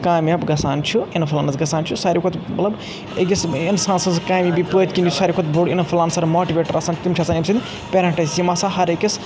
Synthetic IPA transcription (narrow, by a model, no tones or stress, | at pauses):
kaːmʲjabɡɐsaːnt͡ʃʰuinɐpʰulaːnɐzɡɐsaːnt͡ʃʰusaːɾʲikʰot̪mɐ̰t̪lɐb | ekisinsãːnsɐnskaːmʲibipəːt̪̚ʲkʲinʲt͡ʃsaːɾʲikʰot̪boɽinɐpʰulaːnsɐɾmoːʈiʋʲeːʈɐɾʔasaːnt̪imt͡ʃʰaɐsanimsɨnʲ | pʲeːɾɐ̃ɳʈɐjsimasaɦɐɾekʲis